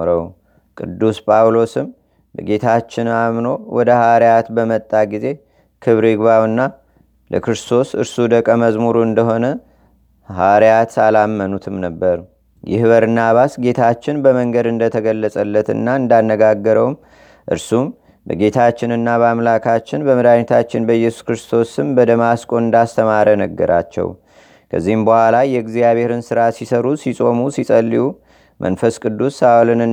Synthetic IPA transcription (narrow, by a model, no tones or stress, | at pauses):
ɾəw | kʼɨ̰d̪ːuspʼawlo̞sɨm | bəɡe̞t̪ʰat͡ʃːɪnamno̞wɔd̪əhaɾjat̪bəmət̪ʼːaɡize̞ | kʰɨβɾɪɡβawɨnːa | lə̰kɾɨst̪ʰo̞sɨ̰ɾsud̪əkʼːəməzmuɾuɨnd̪əɦo̞nə | haɾjat̪alamːənut̪ʰɨmnəbːəɾ | jɪ̰hβəɾnaβasɡe̞t̪ʰat͡ʃːɪnbəməŋɡəd̪ɨnd̪ət̪ʰəɡəlːəsʼəlːət̪ɨ̰nːaɨnd̪anːəɡaɡːəɾəwm | ʔɨ̰ɾsum | bə̰ɡe̞t̪ʰat͡ʃːɪnɨnːabamlakʰat͡ʃːɪnbəmɨd̪aɲt̪ʰat͡ʃːɪnbəjɛsu̥skɾɨst̪ʰo̞sɨmbəd̪əmaskʼoɨnd̪ast̪ʰəmaɾənəɡːəɾa̰t͡ʃːɛ̰w | kʰə̰zːihɨmbəhʷwalajɛɡzijaβeɾɨnsɨɾasisəɾusisʼo̞musisʼəlːiju | mʔə̰nfəskʼɨd̪ːusːawlɨnɨ